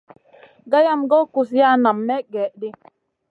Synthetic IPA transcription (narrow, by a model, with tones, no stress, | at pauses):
ɡa˦ja˦mɡɔ˦ku˨s̬ja˦na˨mːɛ˦ɡɛ˨ʔdi˦